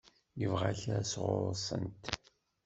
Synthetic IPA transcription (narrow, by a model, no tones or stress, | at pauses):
jəvʁaɬæsʁʊ̰ɾˤsˤə̰nt̪